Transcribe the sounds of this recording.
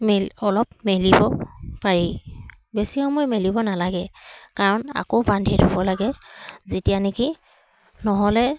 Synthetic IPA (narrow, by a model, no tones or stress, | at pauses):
meɔlɔp̚melibɔpaɹi | besixɔmɔjmelibɔnalaɡɛkaɹɔna̰kobandʱedʰʱubɔlaɡɛzetijaneki | nɔɦɔlɛ